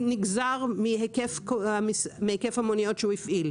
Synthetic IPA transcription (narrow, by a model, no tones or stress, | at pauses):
niɡzaʁmihekefkoamismehekefhamonijo̞tʃeuifʔil